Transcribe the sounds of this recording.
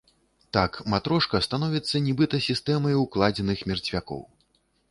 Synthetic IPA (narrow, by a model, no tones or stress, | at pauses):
t̪akmat̪ɾɔʂkɐst̪anɔvʲit̪sːɐnʲɛbɨt̪ɐsʲist̪ɛmɐjuklˠad͡zʲɛnɨxmʲɛrt͡sʲvʲakɔ̰w